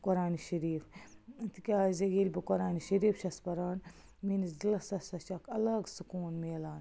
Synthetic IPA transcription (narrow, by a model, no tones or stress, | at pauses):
kʊɾaːniʃɐɾiːft̪ikʲaːzɐɡiːlʲbikoɾaːniʃɐɾiːfʃɐspɐɾaːn | minizilɐsɐsɐt͡ʃakʰɐlɐɡsukuːnmeːlaːn